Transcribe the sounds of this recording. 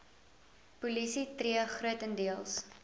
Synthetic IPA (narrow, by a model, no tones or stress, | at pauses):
pulisitriəχruətəndiəlˠs